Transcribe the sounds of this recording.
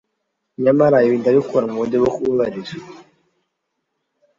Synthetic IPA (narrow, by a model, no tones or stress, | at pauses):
ɲamaɾaiβindaβikuɾamodeβokuβaɾiza